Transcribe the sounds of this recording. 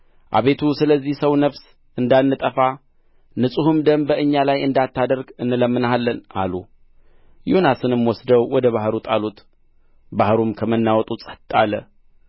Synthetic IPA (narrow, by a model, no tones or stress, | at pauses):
ʔa̰βe̞t̪ʰusɨləzːihsəwnəβs | ʔɨnd̪anːɨt̪ʼəfa | nɨsʼuhɨmd̪əmbəʔɨɲːalajɨnd̪at̪ʰːad̪əɾɡɨnːɨləmːɨnalːəna̰lu | jonasɨnɨmwɔsd̪əwwɔd̪əβahɾut̪ʼalut̪ | bahɾumkʰəmənːawɔt̪ʼut͡sʼə̥t̪ʼːalə